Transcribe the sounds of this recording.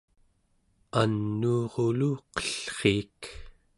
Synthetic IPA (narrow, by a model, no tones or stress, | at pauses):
anːuːʁoluqʌ̥ɬχeːk